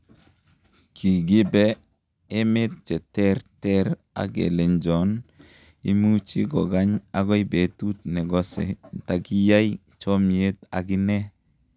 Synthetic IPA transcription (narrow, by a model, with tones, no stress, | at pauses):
kʰi˨ɡi˦bɛ˦ | e˦me˦t̚t͡ʃɛ˨tɛ˦ɾtɛ˦ɾ | a̰˦ɡḛ˨le˨nd͡ʒɔ˨n | i˦mu˦t͡ʃi˦ɡɔ˨ɡa˦ɲa˨ɡɔ˦jbe˨tu˦t̚nɛ˨ɡɔ˦sḛ˨ta˨ki˦ja˦j | t͡ʃɔ˦mje˦ta˨ɡi˦nɛ˦